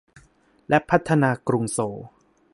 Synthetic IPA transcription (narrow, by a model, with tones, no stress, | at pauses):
lɛ˦˥pʰːa˦˥t̪ʰːa˧naː˧kɾu˧ŋsoː˩˦